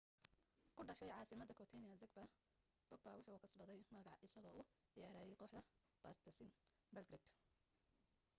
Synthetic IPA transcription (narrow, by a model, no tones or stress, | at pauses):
kʰʊɖɐʃɛjʕɑːsɪmɐd̪ɐkʰɔt̪ʰɛnɪɐzɐkbɐ | b̥ʊɡ̚bɐwɑħɑʊːkʰɐsbɐðɛjmɐɣɑʕʔɪsɐɣɔːʔʊ | jɛːɾaːjɛjqɔːħd̪ɐ | b̥ɐst̪ʰɐsɪn | bɐlɡɾɪd̪